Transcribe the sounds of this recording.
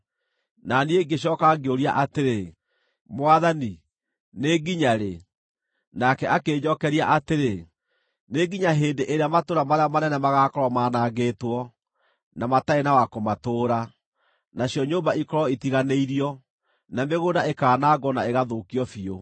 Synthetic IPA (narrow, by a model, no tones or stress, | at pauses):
nanieɡeɕ̬jɔkaɡeoɾia̰ʔateɾe | mwaðani | neɡiɲaɾe | nakɛʔakeːɲɔkɛɾiaʔateɾe | neɡiɲaɦeːndeʔeɾeamatoɾamaɾeamanɛnɛmaɣakɔɾɔmaːnaɣeːtwɔ | namataenawakomatoːɾa | naɕiɔɲoːmbaikɔɾɔitiɣaneiɾiɔ | nameɣodaekaːnaːɡɔnaeɣaðoːkiɔfio